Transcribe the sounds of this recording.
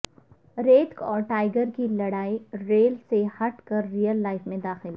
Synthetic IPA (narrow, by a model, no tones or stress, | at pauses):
ɾeːtkɔːɾʈaːɪɡəɾkilɐɽaːiɾeːlsehɐʈkɐɾːijəlːaːɪfmẽd̪aːxɪlɦ